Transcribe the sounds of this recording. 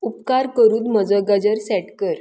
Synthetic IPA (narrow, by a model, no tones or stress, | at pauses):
upkaɾkəɾuːd̪məd͡zəɡəd͡ʑəɾsɛʈkəɾ